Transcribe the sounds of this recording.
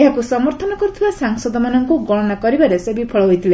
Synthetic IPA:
eɦakusɔmɔɾt̪ʰɔnɔkɔɾut̪ʰibasaŋsɔd̪ɔmanɔŋkuɡɔɽɔnakɔɾibaɾesebipʰɔɭɔɦojt̪ʰile

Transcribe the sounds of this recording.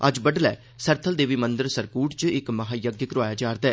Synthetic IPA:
ɐd͡ʒbəɖlɛ̰ː | səɾt̪ʰəld̪eːʋiːmənd̪əɾsəɾkuːʈt͡ʃɪkməɦaːjəɡjəkɾʊaːjaːd͡ʒaːɾd̪aː

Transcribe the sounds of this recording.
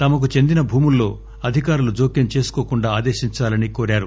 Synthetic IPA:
t̪ɐmɐk̬ut͡ʃe̞nd̪inɐbʱuːmulːo̞ː | ɐd̪ʱikaːɾulud͡ʒoːkjɐnt͡ʃe̞ːsu̥koːkuɳɖaːd̪e̞ːʃiɲt͡ʃaːlɐnikoːɾaːɾu

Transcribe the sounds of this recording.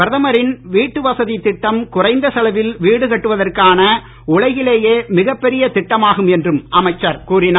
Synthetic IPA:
ɐɾðɐmɐɾɪnʋiːʈːɯʋɐsɐðit̪ɪʈːɐmkʊrɐɪnd̪ɐsɐlɐʋɪlʋiːɽɯkɐʈːɯʋɐðɐrkaːnɐ | ʊɭɐjɪleːjeːmɪɣɐpːɛɾɪjɐt̪ɪʈːɐmaːɣɯmɛndrɯmɐmɐɪt͡ʃːɐɾkuːrɪnaː

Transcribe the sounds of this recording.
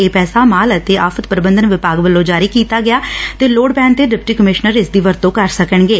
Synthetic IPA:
eːpɛːsaːmaːlət̪eːʔaːfʰət̪pəɾbə̃nd̪ənʋɪpaːɡʋəlːõːd͡ʒaːɾiːkiːt̪aːɡɪjaːt̪eːloːɽpɛ̃ːnt̪eːɖɪpʈiːkəmɪʃnəɾɪsd̪iːʋəɾt̪õːkəɾsəkəɳɡeː

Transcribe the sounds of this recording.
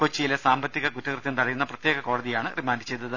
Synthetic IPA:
kot͡ɕːijilesaːmbɐt̪ːiɣɐɡutːɐkrɨt̪jɐnt̪ɐɽɐjunːɐprɐt̪jeːɣɐko̞ːɽɐðijaːɳɨrimaːndɨt͡ɕe̞jd̪ːɐðɨ

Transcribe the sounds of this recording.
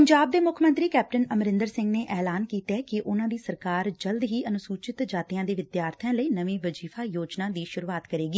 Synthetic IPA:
pəɲd͡ʒaːb̚d̪eːmʊkʰmə̃nt̪ɾiːkɛːp̚ʈənəmɾɪ̃nd̪əɾsɪ̃ŋɡneːʔɛːlaːnkiːt̪ɛːkɪʔʊnãːd̪iːsəɾkaːɾd͡ʒəld̪ɦiːʔənʊsuːt͡ʃɪt̪d͡ʒaːt̪ijãːd̪eːʋɪd̪jaːɾt̪ʰjãːləiːnəʋĩːʋəd͡ʒiːfʰaːjoːd͡ʒnãːd̪iːʃʊɾuːaːt̪kəɾeːɡiː

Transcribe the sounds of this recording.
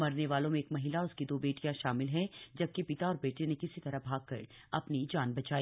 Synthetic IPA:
mɐɾneʋaːlõmẽːkmɐɦɪlaʊskid̪oːbeːʈijãʃaːmɪlɦɛd͡ʒɐb̚kepɪt̪aɔːɾbeːʈenekɪsit̪ɐɾəɦbʱaːɡ̚kɐ̰ɾ | ɐpnid͡ʒaːnbɐt͡ʃaːi

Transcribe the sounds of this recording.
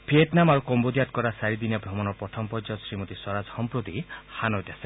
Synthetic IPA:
bʱieʈnamaɾukɔmbod̪ijat̪̚kɔɾasaɾid̪injɔbʱɾɔmɔnɔpɾɔt̪ʰɔmpɔd͡ʒɔsɾimot̪isɔɾad͡ʒhɔmpɾot̪ihanɔjtase

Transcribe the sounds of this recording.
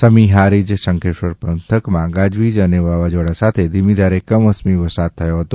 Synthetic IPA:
səmiɦaɾid͡ʒsə̃ŋkʰeʃəɾpənt̪ʰəkmãɡad͡ʒʋid͡ʒəneʋaʋad͡ʒoɽasat̪ʰed̪ʱimid̪ʱaɾekəməsmiʋəsad̪̚t̪ʰːəjoɦət̪o

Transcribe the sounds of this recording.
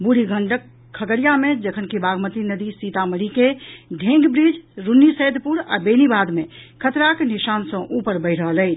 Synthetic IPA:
buɽiɡʱəɳɖək | kʰːəkəɽijamed͡ʒəkʰənkibaɡmət̪inəd̪isit̪aməɽikeɖʱẽŋɡbɾid͡ʒɾunːisəjd̪ʱpuɾa̰benibad̪mekʰət̪ɾakeniʃansə̃ʔupəɾbəɪɾ̤əɦələɪt͡ʃʰ

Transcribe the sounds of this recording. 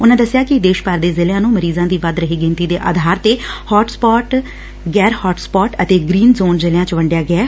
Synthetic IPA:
ʊnãːd̪əsːɪjaːkɪd̪eːʃpaɾd̪eːzɪljãːnũːməɾiːzãːd̪iːʋəd̪ɾəɦeːɡɪ̃nt̪iːd̪eːʔa̰ːd̪ʱaːɾt̪eːhɔːʈspɔːʈ | ɡɛːɾhɔːʈspɔːʈət̪eːɡɾiːnzoːnzɪljãːt͡ʃʋəɳɖjaːɡɪaː

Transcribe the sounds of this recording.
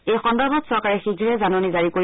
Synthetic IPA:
ejxɔndabɔtsɔɹkaɹɛxiɡʱiɹɛzanonizaɹikoɹ

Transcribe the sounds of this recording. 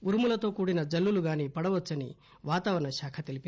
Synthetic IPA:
uɾumulɐt̪o̞ːkuːɽinɐd͡ʒɐlːuluɡaːnipɐɽɐʋɐt͡ʃːɐnḭ | ʋaːt̪aːʋɐɾɐɳɐʃaːkʰɐt̪elipi

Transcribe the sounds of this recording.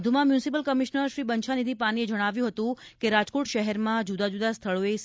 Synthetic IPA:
d̪ʱumãmjũnsipəlkəmiʃnəɾʃɾibəɲt͡ʃʰanid̪ʱipanied͡ʒəɽ̃aʋjũɦət̪ũ | keɾad͡ʒkoʈʃəɦɛɾmãd͡ʒud̪ad͡ʒud̪ast̪ʰəɭoe

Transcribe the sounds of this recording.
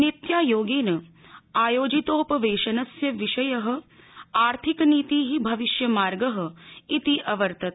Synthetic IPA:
nit̪jaːjoːɡeːnɐaːjoːd͡ʒit̪oːpɐʋeːʃɐnɐsjɐʋiʃɐjɐɦɐ̆ | aːɾt̪ʰikniːt̪iːɦibʱɐʋiʃjɐmaːɾɡɐɦɐ̆it̪iʔɐʋɐɾt̪ɐt̪

